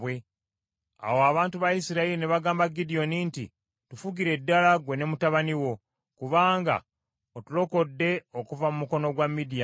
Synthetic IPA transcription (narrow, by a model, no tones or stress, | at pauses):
we̞ | a̰woaβaːntuβajisiɾailineβaɡaːmbaɡidio̞ninti | tufuɡiɾe̞dːalaɡwe̞ne̞mutaβaniwo̞ | kuβaːŋɡa̰ | otulo̞ko̞dːe̞o̞kuvamumuko̞no̞ɡwamːidija